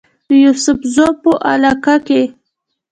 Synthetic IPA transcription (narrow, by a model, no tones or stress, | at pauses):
d̪əjusʊfzopəʔa̰lakake